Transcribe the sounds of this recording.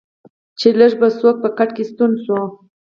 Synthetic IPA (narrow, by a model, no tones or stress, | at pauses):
t͡ʃeləʒbasok̚pəkaʈkest̪unsu